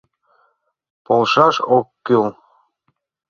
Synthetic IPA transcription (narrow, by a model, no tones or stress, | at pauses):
polˠʃɑʃokːyl